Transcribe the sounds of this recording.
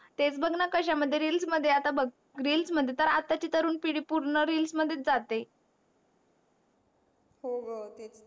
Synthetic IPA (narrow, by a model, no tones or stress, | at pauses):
t̪et͡sbʱəɡnakəɕaməd̪ʱːjeɾiːlsməd̪ʱːjeat̪abəɡ | ɾilsməd̪ʱjet̪əɾat̪at͡ɕiːt̪əɾuːnpiɽiːpuɾɳəɾilsməd̪ʱːjet̪̚d͡zat̪e | hoɡ̪